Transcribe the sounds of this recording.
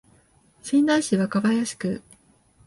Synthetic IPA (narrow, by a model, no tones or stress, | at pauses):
ɕĩnd̪ãĩɕiβakaβajaɕi̥kɯ̟